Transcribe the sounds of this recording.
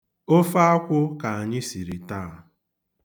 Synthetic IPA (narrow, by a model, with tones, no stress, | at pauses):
o˦fa˦a˦kʷʊ˦ka˨a˨ɲɪ˦si˨ɾi˨ta˦˨